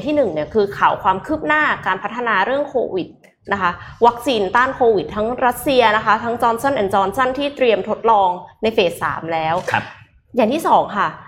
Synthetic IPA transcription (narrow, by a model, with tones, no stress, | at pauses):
ŋt̪ʰiː˥˩nɯ˨˩ŋni˥˩ɐkʰɯː˧kʰaː˨˩wkʰwaː˧mkʰɯː˥˩p̚naː˥˩kaː˧npʰa˦˥t̪ʰːa˧naː˧ɾɯ˥˩əŋkʰo̰ː˧wi˨˩t̪̚ | na˦˥kʰa˦˥wa˦˥k̚siː˧nt̪aː˥˩nkʰoː˧wi˨˩t̪ʰːa˦˥ŋɾa˦˥t̪̚si˧ɐna˦˥kʰa˦˥t̪ʰa˦˥ŋt͡ɕɔː˧nsɔ˥˩nʔɛ˨˩nt͡ɕɔː˧nsa˥˩nt̪ʰiː˥˩t̪ɾi˧əmt̪ʰo˦˥t̪̚lɔː˧ŋna˧jfeː˨˩sːa̰ː˩˦mlɛː˦˥wʰ | jaː˨˩ŋt̪ʰiː˥˩sɔː˩˦ŋkʰa˥˩